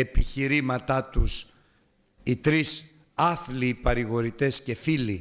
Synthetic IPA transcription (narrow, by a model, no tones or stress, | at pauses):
e̞piçiɾimɐt̪ɐt̪us | it̪ɾis | ɐθlipɐɾiɣo̞ɾit̪e̞sce̞fili